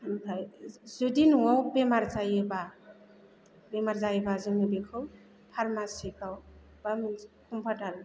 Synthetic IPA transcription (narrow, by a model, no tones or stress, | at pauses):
ajzudinuwɔwbemaɾzajeba | bemaɾzajbazɔnibekʰɯw | pʰaɾmasikaw | b̥amikʰumpʰadaɾ